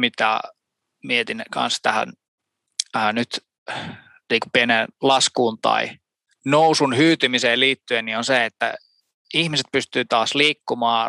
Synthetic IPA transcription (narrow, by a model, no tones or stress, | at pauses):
mit̪æ̰ | miet̪inkʰɑ̰nst̪æhæ̰n | əːnyt̪ | niːku̥pienenlɑskuːnt̪ɑ̰i | nousunhyːt̪ymiseːliːt̪ːyennionseet̪ːæ̰ | ihmiset̪̚pyst̪yːt̪ɑːsliːkːumɑː